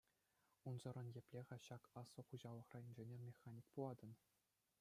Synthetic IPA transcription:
unzɤ̆rɤ̆njĕpʲlʲeʁɑɕɑkɑsːɤ̆χuʑɑlˠɤ̆χrɑimʲʑenʲermʲexɑnʲik̚pulˠɑd̪ɤ̆n

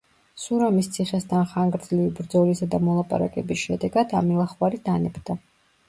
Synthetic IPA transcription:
suɾamist̪sʰiχɛst̪ʰanχaŋɡɾd̪zlivibɾd̪zɔlisad̪amɔlˠapʼa̰ɾa̰kʼɛbisʃɛd̪ɛɡad̪̥amilˠaχwaɾid̪anɛbd̪a

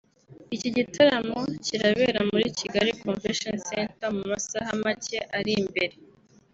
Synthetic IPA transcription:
iciɟitʰaɾamo̞ciɾaβeɾamuɾiciɡaɾikoɱveʃonsentamumasaɦamace̞ʔaɾimbe̞ɾe̞

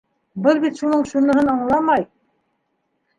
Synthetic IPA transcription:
bɤlˠbit̪ʃunɤɴʃunɤ̆ɦɤnɑɴlˠɑmɑj

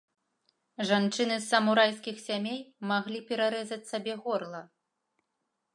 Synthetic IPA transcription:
ʐant͡ʂɨnɨsːɐmuɾajskʲixsʲamʲejmaɣlʲipʲɛɾaɾɛzɐt͡sʲsabʲɛɣɔrlˠɐ

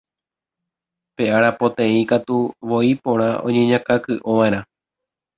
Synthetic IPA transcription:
pe̞ʔaɾapõt̪ẽ̞ĩkat̪uʋo̞ipõ̞ɾ̃ãʔõ̰ɲẽɲãkakɨʔoʋãẽɾ̃ã

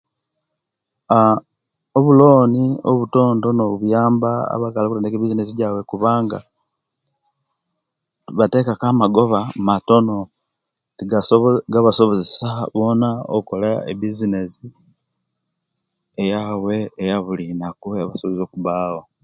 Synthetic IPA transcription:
a | oβulo̞ːnio̰βuto̞ːndo̞noβuβujaːmbaa̰βakalakutendekeβizines̬iɟawe̞kuβaːŋɡa | βate̞kakamaɡo̞βamato̞no̞ | tiɡaɡaβaso̞βozesaβo̞naoko̞laḛβizine̞si | ejawe̞ːjaβulinakueaβasoβzo̞kuβaːwa

